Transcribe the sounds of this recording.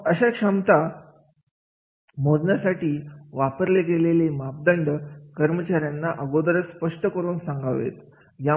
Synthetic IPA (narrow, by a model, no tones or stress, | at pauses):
əɕakʂəmt̪a | m̤od̪njasaʈiːʋapəɾleɡelelemap̚d̪əɳɖəkəɾmət͡ɕaɾjanːaʔəɡod̪ɾəspəʂʈəkəɾuːnsaŋɡaʋḛt̪ | ja